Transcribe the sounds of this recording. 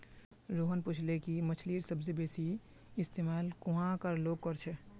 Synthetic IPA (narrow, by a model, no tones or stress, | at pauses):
ɾoːɦənpʊt͡ʃʰlekimɐt͡ʃʰliːɾsəbsebeːsi | ɪst̪eːmaːlkʊɦãkəɾloːɡ̚kɔɾt͡ʃʰɛ